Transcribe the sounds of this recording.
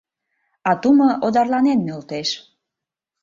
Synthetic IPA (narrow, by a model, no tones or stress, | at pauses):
ɑt̪umɤʔod̪ɑrlɑnenmølt̪eʃ